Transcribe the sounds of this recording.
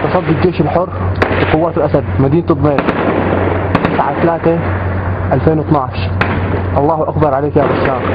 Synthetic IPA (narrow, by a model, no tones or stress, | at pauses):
t̪ɑsˤɑd̪ːɪd͡ʒeːʃɪlħʊrbiqʊwːaːt̪ɪlʔasad̪̚mad̪iːnt̪ɨb̪ˤmeːɾ | t̪ɪsʕat̪alaːt̪e | ʔalfeːnwɪt̪nɑʕʃʔɑlˤːɑːhʔaxbɑɾˤʕaleːkjaːɾʊsːaːq